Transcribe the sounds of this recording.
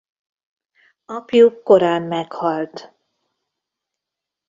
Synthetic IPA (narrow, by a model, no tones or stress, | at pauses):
ɒpjukːo̞ɾaːmːɛkhɒlt̪